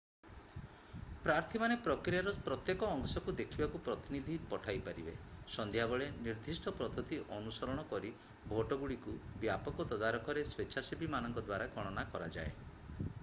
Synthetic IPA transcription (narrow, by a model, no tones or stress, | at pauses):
pɾaɾt̪ʰimanepɾɔkɾijaɾɔpɾɔt̪jekɔːŋsɔkud̪ekʰibakupɾɔt̪inid̪ʱipɔʈʰajpaɾibḛsɔnd̪ʱjabɔɭeniɾd̪ʱisʈʰɔpɾɔt̪ʰɔt̪iʔɔnusɔɾɔɽ̃ɔkɔɾi | bʱoʈɔɡuɭikubjapɔkɔt̪ɔd̪aɾɔkʰɔɾeswet͡ʃʰasibʱimanɔŋkɔd̪waɾakɔɽ̃ɔnakɔɾa̰d͡ʒa̰e